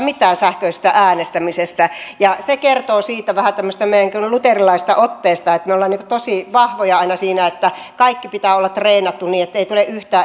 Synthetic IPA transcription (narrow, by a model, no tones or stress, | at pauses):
mit̪ˑæːnsæhkøise̥st̪æʔæːnest̪æmisest̪æjɑsekert̪oːsiːt̪ːæʋæhæt̪æmːøst̪æmeijæŋkylut̪erilɑist̪ɑʔot̪ːeːst̪ɑet̪meolːɑniŋkŏt̪osiʋɑhʋojɑɑinɑsiːnæet̪ːækɑikːipit̪æːolːɑtt̪reːnɑt̪ːunniːet̪ːeit̪uleʔyht̪æː